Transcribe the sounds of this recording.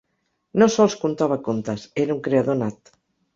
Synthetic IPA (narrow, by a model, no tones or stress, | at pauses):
nosɔlˠskunt̪aβakont̪aseɾauŋkɾeaðonat̪